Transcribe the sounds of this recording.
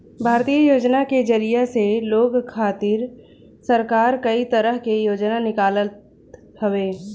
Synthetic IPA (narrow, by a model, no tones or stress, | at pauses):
bʱaːɾt̪ijəjoːd͡ʒnaked͡ʒəɾijaseloːɡkʰːaːt̪ɪɾ | səɾkaːɾkəit̪əɾəɦkejoːd͡ʒnanɪkaːlət̪ | hɐweː